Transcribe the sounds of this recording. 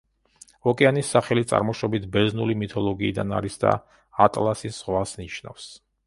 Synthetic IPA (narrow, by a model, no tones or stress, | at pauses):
ɔkʼɛanisːaχɛlit̪sʼa̰ɾmɔʃɔbit̪ʰbɛznulimit̪ʰɔlˠɔɡiːd̪ana̰ɾisd̪a̰ | at̪ʼlˠasisz̥ʁwasniʃna̰fs